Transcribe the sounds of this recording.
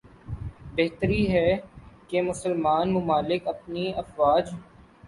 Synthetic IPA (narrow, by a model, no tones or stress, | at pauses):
beɦt̪əɾiɦɛkemʊsəlmaːnmʊmaːlɪkɐpniɐfwaːd͡ʒɦ